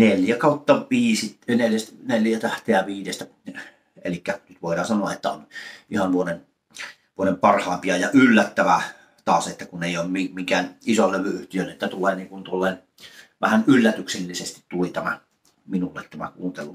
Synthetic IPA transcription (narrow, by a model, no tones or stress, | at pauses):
neljækɑˑut̪ːɑʋiːsineljæsneljæt̪æht̪eæʋiːdest̪æ | ḛlikːænyt̪ʋoˑiɾˑɑːnsɑnoɑet̪ːæo̰nihɑnʋuonen | ʋuonempɑrhɑˑempiɑjɑʔylːæt̪ːæʋæ | t̪ɑːset̪ːækuneˑijˑoˑːmmimiŋkæːnisolleʋyyht̪iølːet̪ːæt̪uleːniːŋkunt̪uolːˑeˑːn | ʋæhænylːæt̪ykselːisest̪it̪t̪ulit̪æmæ̰ | minulːet̪t̪æmæ̰kuːnt̪elu